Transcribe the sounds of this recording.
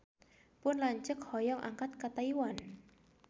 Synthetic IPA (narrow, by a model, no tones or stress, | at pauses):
pʊnlaɲt͡ʃək̚hɔjɔŋʔa̰ŋkat̪̚kat̪aiwan